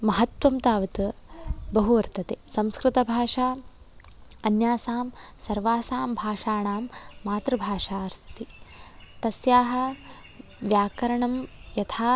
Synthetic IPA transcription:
mɐɦɐt̪ʋɐmt̪aːʋɐt̪ɐbɐɦuʋɐɾt̪ɐt̪eːsɐ̃mskɾɪt̪ɐbʱaːʂaː | ɐnjaːsaːmsɐɾʋaːsaːmbʱaːʂaːɳaːmːaːt̪ɾɐbʱaːʂaːɐɾst̪i | t̪ɐsjaːɦɐ̆ | ʋjaːkɐɾɐɳɐmjɐt̪ʰaː

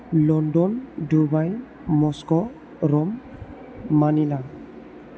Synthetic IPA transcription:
lɔndɔndubaj | mɔskɔ | ɾɔmː | anina

